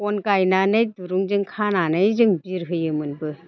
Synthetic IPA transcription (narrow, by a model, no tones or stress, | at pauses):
kɔnkajnanɯjduɾuŋzɯŋkʰananɯjzɯŋbiɾɦɯjɯmɯnbɯ